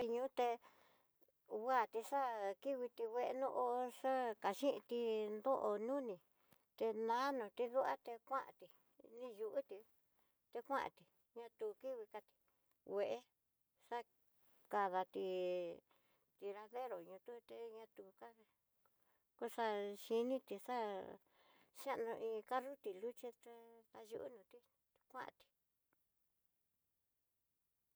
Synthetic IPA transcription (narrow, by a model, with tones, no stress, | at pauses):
ɲũː˦t̪e˧ | wa˦˨t̪i˧ʂa˦ki˦βi˧t̪i˧wʷe˧ʔe˧nõ˦˧ʔo˧ʂa˦ka˨ʃĩ˦ʔḭ̃˧t̪i˧nd̪o˦ʔo˧nũ˦nĩ˨ | t̪e˧nã˦nõ˨t̪i˧ðu˦ʔa̰˦t̪e˧kʷã˦ʔã̰˨t̪i˧ | nĩ˦˧ju˧ʔu˦t̪i˧ | t̪e˧kʷã˦ʔã̰˨t̪i˨ | ɲã˧t̪u˧ki˦βi˧ka˧t̪i̥˧ | we˧ʔe˦ | ʂa˦ | ka˧ða˧t̪i˧ | t̪i˧ɾa˧ðe˦ɾo˨ɲũ˧t̪u˦t̪e˧ɲã˧t̪u˧ka˦˧ | ku˦ʂa˧ʃi˧nĩ˦t̪i˧ʂa˦ | ʃã˦ʔnũ˧ʔĩ˧ka˦ru˦t̪i˨lu˦t͡ʃi˦t̪e˧ða˧jṵ˧ʔṵ˦nũ˧t̪i˦˧ | kʷã˦ʔã̰˧˨t̪i̥˧